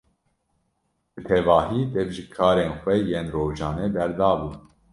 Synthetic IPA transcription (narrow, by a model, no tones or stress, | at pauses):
b̥ɨt̪ʰɛvɑːɦiːd̪ɛvʒɨkʰɑːɾeːnxʷɛjeːnroːʒɑːnɛb̪ɛɾd̪ɑːbuː